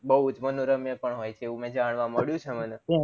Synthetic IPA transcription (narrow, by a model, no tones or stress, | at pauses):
bəɦud͡ʒmənoɾəmjəpəɳɦojt͡ʃʰeːʋũmẽd͡ʒaɳ̃ʋaməɭjũt͡ʃʰemənẽ